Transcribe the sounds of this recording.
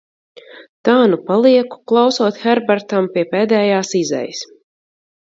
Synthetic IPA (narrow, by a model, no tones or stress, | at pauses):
t̪aːnupalˠiɛku̥klˠawsuɔt̪xɛɾbaɾt̪ampiɛpeːd̪ɛːjaːsizɛ̰jis